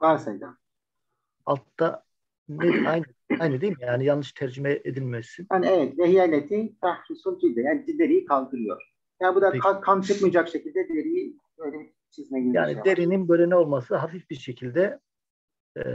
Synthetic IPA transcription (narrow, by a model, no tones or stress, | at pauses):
vaɾsajd̪a | a̰lˠt̪ːa | neajn | ajnad̪ijilmijaːnijalnˠːɯʃt̪ʰæɾd͡ʒimɛʔed̪ilʲmɛsːinanevɛt̪vɛɦijalʲet̪ʰinfahɾusunfilʲd̪ɛjaːnid̪id̪eɾijikʰalˠd̪ɯɾɯjo̰ɾ | jaːnbud̪aakʰant͡ʃʰɯpmɯjd͡ʒakʃecilʲd̪ɛd̪eɾiji | bøjlʲei | t͡ʃʰizinɛɟilʲjaːnid̪eɾininbølʲenɛo̞lˠmasɯɦafifbiɾʃe̞cʰilʲd̪ɛ